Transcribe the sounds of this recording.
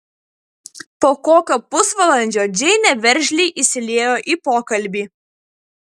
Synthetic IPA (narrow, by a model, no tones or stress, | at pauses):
poːkoːkʲoːpʊsʋɐlˠɐnʲd͡ʒʲoːd͡ʒʲɛɪnʲɛʋʲɛɾʲʒʲlʲiːʔɪsʲɪlʲeːjoːʔiˑpoːkɐlʲˑbʲiː